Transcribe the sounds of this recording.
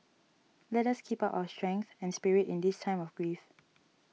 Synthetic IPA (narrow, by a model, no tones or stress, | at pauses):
lɛtaskʰipaʊʔa̰ʊəstɹɛ̃ŋkθɛ̃nspiɹitĩndistʰãɪ̃mɔfɡɹif